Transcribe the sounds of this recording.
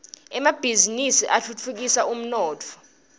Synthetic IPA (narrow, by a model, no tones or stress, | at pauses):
ɛmab̥ʱizinisiʔaɬʰut͡fʰuk̬isaum̩nɔːt͡fʰɔ̥